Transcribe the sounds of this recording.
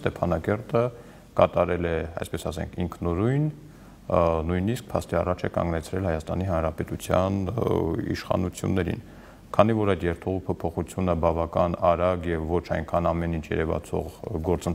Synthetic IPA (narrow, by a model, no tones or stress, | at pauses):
st̪ɛpʰɑnɑkɛɾt̪ə | kɑt̪ɑɾɛlɛɑ̰jspɛsɑsɛ̰ŋkʰiŋkʰnɔɾujn | nujnisk̚pʰɑ̰st̪iɑ̰rɑt͡ʃʰɛkɑ̰ŋɡnɛt͡sʰɾɛlhɑjɑst̪ɑniɦɑnɾɑpɛt̪ut͡sʰjɑn | ḭʃχɑ̰nut͡sʰjṵnːɛɾḭn | kʰɑnivɔɾɑjt̪jɛɾt̪ʰuʁupʰɔpʰɔχut͡sʰjunəbɑvɑkɑnɑɾɑɡjɛvːɔt͡ʃʰɑjnkʰɑnɑmɛnint͡ʃʰjɛ̰ɾɛvɑ̰t͡sʰɔ̰ʁɡɔɾt͡sən